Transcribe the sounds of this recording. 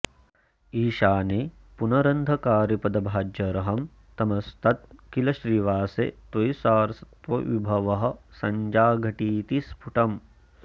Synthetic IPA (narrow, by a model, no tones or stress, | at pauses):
iːʃaːneː | punɐɾɐnd̪ʱɐkaːɾjɐpɐd̪ɐbʱaːd͡ʒjɐɾɐɦɐm | t̪ɐmɐst̪ɐt̪̚kilɐʃɾiːʋaːsḛt̪ʋɐjsaːɾɐsɐt̪ʋɐʋibʱɐʋɐɦɐ̆sɐɲd͡ʒaːɡʱɐʈiːt̪ispʰuʈɐm